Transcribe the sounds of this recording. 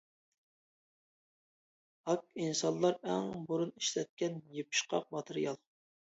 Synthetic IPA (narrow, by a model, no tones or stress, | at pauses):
ɑkinsɑnlˠːɑɾɛŋbuɾuniʃlɛt̪̚kʲɛnjepʰɨ̥ʃqʰɑ̰q̚mɑt̪ʰɨɾijɑlˠ